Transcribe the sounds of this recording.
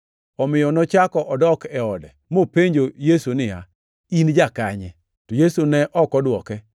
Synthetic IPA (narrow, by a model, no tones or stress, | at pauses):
ɔmɪjɔnɔt͡ʃakɔʔɔdɔkɛɔdɛmopeɲd͡ʒojesunɪja̰ | ind͡ʒakaɲɛ̰ | tojesunɛʔɔkɔdwɔkɛ